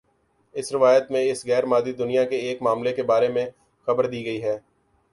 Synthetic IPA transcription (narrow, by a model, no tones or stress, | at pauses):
ɪsɾɪʋaːjət̪mẽɪsɣɛːɾmaːzid̪ʊnijakeeːkmaːmlekebaːɾemẽ | xɐbəɾd̪iːɡɐiɦɛː